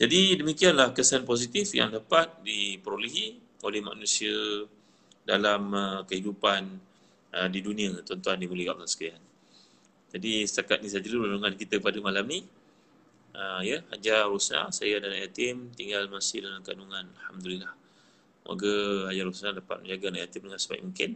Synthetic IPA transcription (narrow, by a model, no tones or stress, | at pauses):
d͡ʒadidəmikianlahkəsanpos̬it̪ifja̰ŋdapat̪̚dipəɾoliɦi | olɛhma̰knusiə | dalaməkəhidupan | ədidunĩət̪ɔnt̪uandimuləɡa̰ʔlasə̥kian | d͡ʒadisə̥t̪akat̪̚nĩsad͡ʒəlulanuŋankit̪əpadəmalamni | ʔəjəhad͡ʒarusna̰sajadanajat̪ɪmt̪iŋɡalmasɪhdalamka̰nuŋãnalhamd̪ulilah | mʔa̰ɡəhad͡ʒaɾusnadapa̰t̪̚mə̰̃ɲd͡ʒaɡanajat̪ɪmdəŋansəba̰ḭʔmũŋkɪn